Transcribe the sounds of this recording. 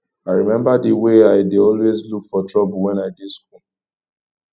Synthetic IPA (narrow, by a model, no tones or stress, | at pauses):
aɪɹimɛ̃mbadiweaɪdeɔlwezlukfɔtɹɔbʊl̩wɛ̃naɪdeskul